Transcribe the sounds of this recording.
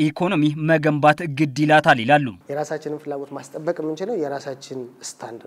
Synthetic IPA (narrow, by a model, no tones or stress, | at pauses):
ʔikʰo̞no̞miməɡəmbat̪ɡɨd̪ːilat̪ʰalɪlalːṵjɛɾasat͡ʃːɪnɨnfɨlːaɡo̞t̪mast̪ʼəbːəkʼmːɨnt͡ʃɪləwjɛɾasat͡ʃːɪnɨst̪ʰand̪